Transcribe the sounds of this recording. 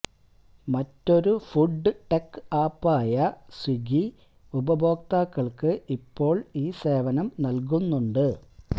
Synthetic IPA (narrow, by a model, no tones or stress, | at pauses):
mɐtːo̞ɾufuɖːɨʈekːɨaːpːaːjɐswiɡi | ubɐbʱo̞ːk̚t̪aːkːɐɭkɨipːo̞ːɭiːse̞ːʋɐnɐmnɐlk̬unːuɳɖɨ